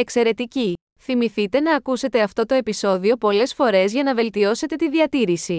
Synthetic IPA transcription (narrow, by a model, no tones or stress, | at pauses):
e̞kse̞ɾe̞t̪ici | θimiθit̪e̞nɐːkuse̞t̪e̞ɐft̪o̞t̪o̞e̞piso̞ðio̞po̞le̞sfo̞ɾe̞zʝɐnɐve̞lt̪io̞se̞t̪e̞t̪iðiɐt̪iɾisi